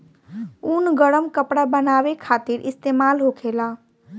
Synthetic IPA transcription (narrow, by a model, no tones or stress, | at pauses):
unɡəɽəmkəpɽabənaːʋekʰaːt̪ɪɾʔɪst̪eːmaːlɦokʰeːlaː